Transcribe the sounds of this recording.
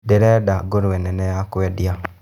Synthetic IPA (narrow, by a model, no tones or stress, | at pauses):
deɾɛdaɡoɾuwɛnɛnɛjakwɛdija